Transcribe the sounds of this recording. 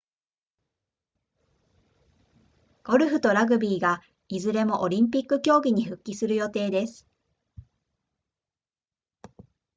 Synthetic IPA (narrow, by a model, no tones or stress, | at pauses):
ɡ̥o̞ɾɯ̟ɸɯ̟t̪o̞ɾaɡɯ̟bʲiːɡa | izɨɾe̞mo̞ʔo̞ɾʲĩmp̬ʲikːɯ̟kʲo̞ːɡʲiɲ̟iɸɯ̟kʲːisɨɾɯ̟jo̞t̪e̞ːd̪e̞sɨ̥